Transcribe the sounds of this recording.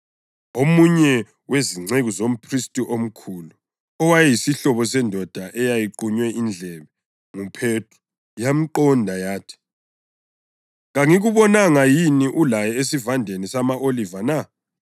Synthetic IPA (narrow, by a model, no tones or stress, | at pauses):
omuɲɛ | weziŋ͡ǀeɣuzom̩pʰristʼiʔom̩kʰulu | ɔwajɛjisiɬɔβɔsɛndʱɔd̥ʱaʔɛjajiǃuɲwɛʔind͡ɮʱɛβɛ | ŋupʰetʰʼu̥ | jam̩ǃɔndʱajaːtʰi̥ | ɣaŋiɣuβɔnaŋajiniʔulajɛesivandʱenisamaʔolivana